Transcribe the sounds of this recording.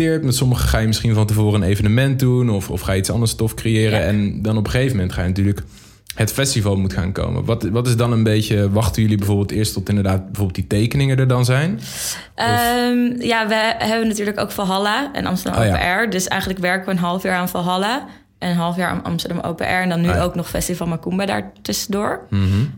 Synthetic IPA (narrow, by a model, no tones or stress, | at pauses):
ɪːɹtmɛtsɔməχə̰χaːjəmɪsχinvɑntəvoːrəənejvənəmɛnt̚dunɔfɔ̰fχaːjəitsɑ̰ndəɹstɔfkrejɪːɾəɛndɑnɔpəχejvəmɛntχaːjənatyːɹlək | hətfɛstivɑlˠmutχa̰ːnko̰wmə̰ʋɑtʋɑtɪzdɑnənbejcəʋɑχtəjɵlibɛjvoːɹbɪːlˠtɪːɹstɔtɪndəɹdaːt̚bɛvoːɹbɪlˠditejkənɪŋədəɹdɑnzɛjn | ʔəmjaːʋəɦɛbənatyːɹləko̰wkfɔlˠɦɑlaɛ̰nɑ̰mstədɑ̰mpḛʔɛɹdɵsɛ̰jχənləkʋɛɹkəʋəənɦɑlˠəfjaːɹaːnfɔlˠɦɑla | ʔənənɦɑlˠəfjaːɹa̰nɑ̰mstəɹdɑmo̰wpḛʔɛɹɛndɑnːyʔowknɔχfɛ̰stivɑlˠmakumbada̰ːɹtɵsədʊːɹ̩